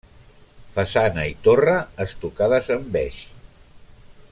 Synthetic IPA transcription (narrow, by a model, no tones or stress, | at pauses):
fasanəit̪orəːst̪ukaðəzəmbɛʃ